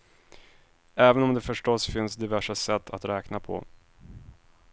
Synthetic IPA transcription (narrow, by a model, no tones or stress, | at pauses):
ɛːvənɔmd̪ɛfœʂʈɔsfɪnsd̪ɪvæʂasɛt̪ʰːat̪ɾɛːknapʰɔ̰